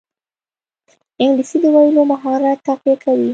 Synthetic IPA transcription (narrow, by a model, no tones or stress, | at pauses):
ɪŋɡlisid̪əwajlomaɦɑɾat̪ːaqakʰawi